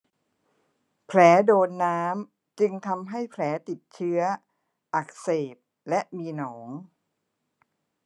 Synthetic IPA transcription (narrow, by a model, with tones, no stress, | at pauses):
pʰlɛː˩˦doː˧nːaː˦˥m | t͡ɕɯ˧ŋt̪ʰa˧mɦa˥˩jpʰlɛː˩˦t̪i˨˩t̪̚t͡ɕʰɯ˦˥ɐ | ʔa˨˩k̚seː˨˩p̚ | lɛ˦˥ʔmiː˧nɔː˩˦ŋ